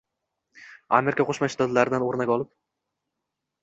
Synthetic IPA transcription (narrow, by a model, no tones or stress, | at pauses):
a̰meɾɪkʰʲaqʰoʃmaʃt̪ad̪laɾɪd̪anoɾnakʲɒlˠɪp̚